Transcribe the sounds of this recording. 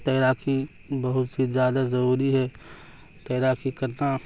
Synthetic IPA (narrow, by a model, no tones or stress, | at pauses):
t̪ɐːɾaːkʰi | bɐɦʊt̪sizjaːd̪azɐɾuːɾiɦɛ | t̪ɐːɾaːkʰikɐɾna